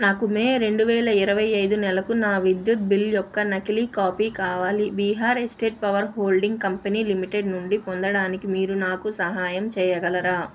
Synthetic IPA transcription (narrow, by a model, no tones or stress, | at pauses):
naːkumeːɾe̞ɳɖuʋɛːlɐiɾɐʋɐjɐjd̪unɛlɐkunaːʋid̪jut̪̚biljɔkːɐnɐkilikaːpiːkaːʋaːlibiːɦaːɾesʈeːʈ̚pɐʋɐɾɦoːlɖiŋɡ̚kɐmpɐniːlimiʈe̞ɖnuɳɖipond̪ɐɽaːnikimiːɾunaːkusɐɦaːjɐmt͡ʃɛːjɐɡɐlɐɾaː